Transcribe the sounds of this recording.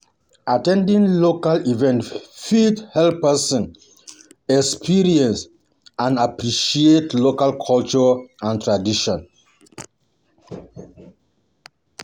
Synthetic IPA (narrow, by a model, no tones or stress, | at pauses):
atɛ̃ndĩŋlokalivɛ̃ntfithɛlpɛsɔ̃n | ɛkspʰiɹiɛ̃ns | ãnapɹiʃietlokalkʰɔlt͡ʃɔãntɹadiʃɔ̃n